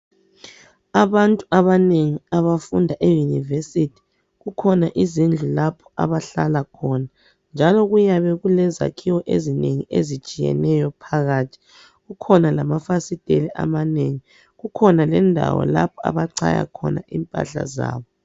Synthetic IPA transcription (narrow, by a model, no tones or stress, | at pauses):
aβantʼuaβaneŋiaβafundʱaʔejunivesitʰi̥ | ɣukʰɔnaʔizind͡ɮʱulapʰɔ̥a̰βaɬalakʰɔna | nd͡ʒʱalɔɣujaβɛɣulɛza̰kʰiwɔʔezineŋiʔezit͡ʃʼijɛ̰nɛjɔpʰaɣaːtʰi̥ | ɣukʰɔnalamafasid̥ʱʼeliʔa̰maneŋi | ɣukʰɔnalɛndʱa̰wɔ̰la̰pʰɔa̰βaǀʰa̰ja̰kʰɔ̰naʔimpʼa̰ɬa̰za̰ːβɔ